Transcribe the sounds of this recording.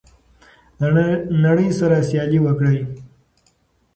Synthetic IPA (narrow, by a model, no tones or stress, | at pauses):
nɐɽiːsɐɾasjaːliʋəkɽəj